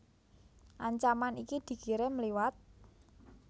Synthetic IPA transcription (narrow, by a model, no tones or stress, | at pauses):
ʔaɲt͡ʃamanikid̪̥i̤kiɾeməliwat̪̚